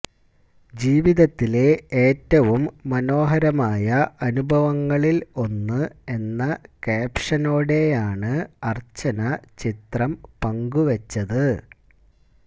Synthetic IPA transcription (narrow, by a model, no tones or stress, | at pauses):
d͡ʑiːʋiðɐt̪ːile̞eːtːɐʋumːɐno̞ːɦɐɾɐmaːjɐʔɐnubʱɐʋɐŋːɐɭilo̞nːɨe̞nːɐkaːpʂɐno̞ːɽe̞jaːɳɨɐrt͡ɕːɐnɐt͡ɕit̪rɐmpɐŋɡuʋɐt͡ɕːɐðɨ